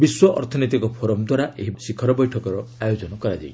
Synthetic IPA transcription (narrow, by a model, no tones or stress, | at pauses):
biswɔʔɔ̰ɾt̪ʰɔnit̪ikɔpʰoɾɔmd̪waɾaʔeɦisikʰɔɾɔbɔjʈʰɔkɔɾɔajod͡ʒɔnɔkɔɾad͡ʒa̰j